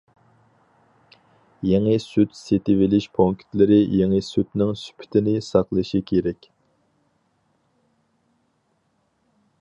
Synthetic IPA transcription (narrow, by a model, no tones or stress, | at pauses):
jeŋɨsyt̪set̪ɪvɪlɪʃpʰoŋkʰʲt̪lɪɾɪjeŋəsyt̪nɪŋsy̥pʰɪ̥t̪ʰɪnɪsɑqlˠɨʃikʲʰeɾɛkʲ